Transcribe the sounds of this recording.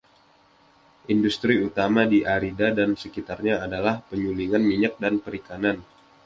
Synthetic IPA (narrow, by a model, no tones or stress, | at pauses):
ʔindust̪ɾiut̪amadiʔaɾidadansəkit̪arɲaːdalahpəɲuliŋanmiɲak̚danpəɾikanan